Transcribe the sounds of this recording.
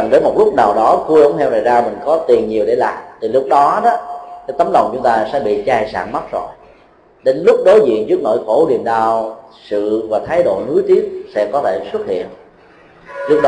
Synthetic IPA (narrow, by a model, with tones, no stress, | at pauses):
ŋɗəː˨˦jmo˨˩t̚lʊ˦˥k͡p̚naː˨˩wɗɔ˨˦ku˧ə̰˧˦ŋ͡mt̪ʰɛ˧wna˨˩jzaː˧mï˨˩ŋ̟kɔ˨˦t̪i˨˩ənɲi˨˩əwɗe˧˩laː˨˩mt̪ʰi˨˩lʊ˦˥k͡p̚ɗɔ˨˦ɗɔ˨˦ka˨˦jt̪ə˨˦mlə˨˩wŋ͡mt͡ɕʊ˨˦ŋ͡mt̪aː˧sɛ̰˧˥ɓḭ˧˨t͡ɕaː˧jsa̰ː˧˩nma˦˥t̚zo˧˨˩j | ɗe˨˦nlʊ˦˥k͡p̚ɗo˨˦jzḭ˧˨ənt͡ɕɨ˦˥ək̚no̰˧˨jxo˧˩ni˨˩əmɗaː˧˩wsɨ̰˧˨vaː˨˩t̪ʰaː˨˦jɗo̰˧˨nu˨˦jt̪i˦˥ət̚sɛ̰˧˥kɔ˨˦t̪ʰe˧˩swə˦˥t̚hḭ˧˨ən | lʊ˦˥ək̚ɗ